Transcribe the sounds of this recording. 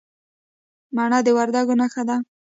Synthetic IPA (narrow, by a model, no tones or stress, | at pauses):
mɑɳad̪əwaɾd̪aɡonaxad̪a